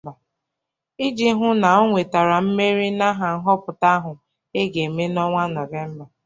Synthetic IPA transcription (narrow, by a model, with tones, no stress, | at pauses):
ba˨ | i˦d͡ʒi˦ɦʊ˦na˨o˦ŋʷe˨ta˨ɾa˨m̩˦me˦ɾi˦na˦ɦa˨ŋ̩˦ɦɔ˦pʊ˨ta˦a˦ɦʊ˨ | e˦ɡe˨me˦nɔ˦ŋʷa˦nɔ˨ve˦m̩˦ba˨